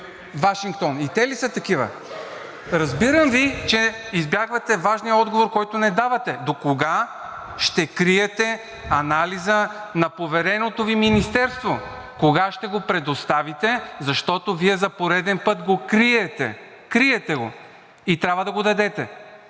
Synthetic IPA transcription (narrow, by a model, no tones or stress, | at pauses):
vaʃiŋk̚t̪ɔnit̪ɛlisət̪ɐkivə̰ | ɾɐzbiɾəmvit͡ʃɛizbjaɡvɐt̪ɛvaʒnijəɔd̪ɡovoɾkɔjt̪onɛd̪avɐt̪ɛd̪okoɡa | ʃt̪ɛkɾiɛt̪ɛ | ɐnalizənɐpovɛɾɛnot̪oviminist̪ɛɾst̪vo | koɡaʃt̪ɛɡopɾɛd̪ost̪avit̪ɛzɐʃt̪ɔt̪oviɛzɐpoɾɛd̪ɛnpɤt̪ɡokɾiɛt̪ɛ̰ | kɾiɛt̪ɛɡo | it̪ɾʲabvɐd̪ɐɡod̪ɐd̪ɛt̪ɛ